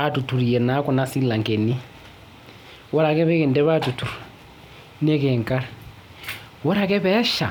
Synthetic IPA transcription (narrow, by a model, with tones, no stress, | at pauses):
a˨tu˨tʰu˨ɾi˨jɛ˨na˦kɔ˨na˦si˦la˨ŋkɛ˨ni˦ | wɔ˦ɾa˨kɛ˦βɛ˦kɛ˨ndɛ˦βa˦tu˨tʰu˨ɾ | nɛ˦kɛ˨ŋka˦ɾ | wɔ˦ɾa˨k̬ɛ˦βɛ˦ʃa˨